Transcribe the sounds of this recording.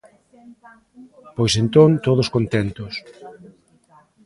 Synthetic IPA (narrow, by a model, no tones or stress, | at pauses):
pojsent̪ont̪oðoskont̪ɛnt̪ʊs